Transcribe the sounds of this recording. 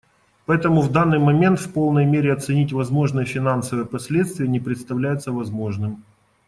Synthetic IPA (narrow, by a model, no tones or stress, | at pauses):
pɐɛt̪əmʊvd̪anːɨjmɐmʲe̞nt̪fpo̞lˠnəjmʲeɾʲɪɐt̪sɨnʲitʲvɐzmo̞ʐnɨjəfʲɪnansəvɨjəpɐsʲlʲet̪st̪vʲɪjənʲɪpɾʲɪt̪st̪ɐvlʲæjʊt̪səvɐzmo̞ʐnɨm